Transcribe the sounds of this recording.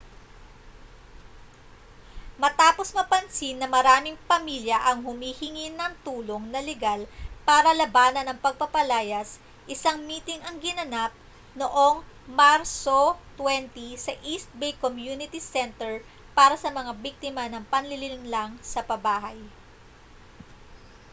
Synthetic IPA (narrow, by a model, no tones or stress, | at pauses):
mɐt̪aːpo̞smɐpɐnsinːɐmɐɾaːmɪŋpɐmiljɐʔɐŋhʊmiːhɪŋinːɐŋt̪uːlo̞ŋnɐlɛɡalpaːɾɐlɐbaːnɐnɐŋpɐɡ̚pɐpɐlaːjɐs | ʔɪsaŋmiːt̪ɪŋɐŋɡɪnɐnap̚ | noʔo̞ŋ | maɾsot̪wɛnt̪isɐʔist̪̚bejkomjuːnɪt̪isɛnt̪ɛɹ | paːɾɐsɐmɐŋabik̚t̪ɪmɐnɐŋpɐnlɪlɪnɪŋlaŋsɐpɐbaːɦɐj